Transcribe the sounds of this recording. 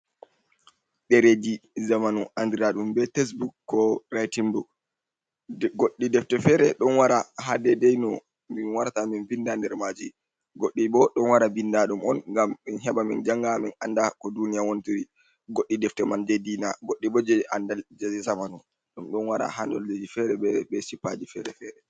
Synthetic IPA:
ɗɛɾedizamanuʔandiɾaɗumbɛtes̬bukːɔɾajtimbuk | ɡoɗːidɛftɛfɛɾɛɗɔnwaɾaɦadɛdɛjnɔ | minwaɾtaminvindandɛɾmad͡ʒi | ɡoɗːiɓɔɗɔnwaɾabindaɗumɔnŋɡamːinɦɛɓamḭnd͡ʒaŋɡaminandakɔdunijawonitiɾi | ɡoɗːidɛftɛmandedinaɡoɗːibɓɔd͡ʒɛandad͡ʒɛzamanu | ɗumɗɔnwaɾa̰handɔ̰lːed͡ʒifɛɾɛbɛbɛsipːad͡ʒifɛɾɛfɛːɾɛ

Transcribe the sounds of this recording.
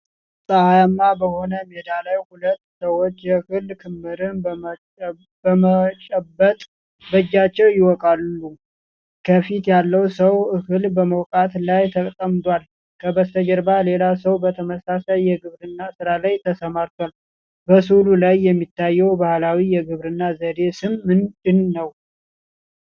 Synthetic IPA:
sʼəhajamːabəho̞nəmed̪alajhulət̪ːsəwot͡ʃːjɛhɨlkʰɨmːɨɾɨn | əmət͡ʃʼəbːət̪ʼ | bəd͡ʒːat͡ʃːɛwjɪwɔkʼalːu | kʰəfit̪jalːəwsəwʔɨhɨlbəməwkʼat̪lajt̪ʰəkʼt̪ʼəmd̪wal | kʰəbəst̪ʰəd͡ʒəɾbale̞las̬əwbət̪ʰəməsasajːɛɡɨβɾɨnːasɨɾalajt̪ʰəsəmaɾt̪ʰwal | bəsululajːɛmːit̪ːajːɛwbahlawijɛɡɨβɾɨnːazəd̪e̞sɨmːɨnd̪ɨnːəw

